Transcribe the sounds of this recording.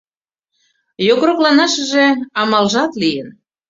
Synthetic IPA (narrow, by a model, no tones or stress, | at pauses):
joɣɾoklɑnɑʃəʒeɑmɑlʒɑt̪lijən